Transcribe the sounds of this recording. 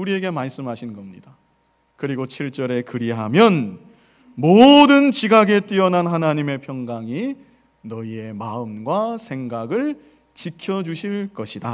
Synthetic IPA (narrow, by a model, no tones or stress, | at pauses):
uɾie̞ɡe̞maɭs͈ɯmɦaɕʰinɡʌmɲḭd̥a | kɯɾiɡot͡ɕʰiɭt͡ɕ͈ʌɾe̞kɯɾiɦamjʌn | modɯnt͡ɕiɡaɡe̞t͈wiʌnanɦanaɲime̞pʰjʌŋɡaŋi | nʌie̞maɯmɡwasʰe̞ŋɡaɡɯɭ | t͡ɕikʰjʌd͡ʑuɕʰiɭk͈ʌɕʰida